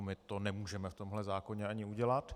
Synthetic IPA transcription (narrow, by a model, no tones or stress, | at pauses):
mɪt̪onɛmuːʒɛmɛft̪o̞mɦlɛzaːko̞ɲɛaɲɪuɟɛlat̪